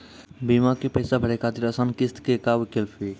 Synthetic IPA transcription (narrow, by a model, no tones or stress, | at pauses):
bimakepəɪsabʱəɽekad̪iɾəsənkist̪kekabkelpʰi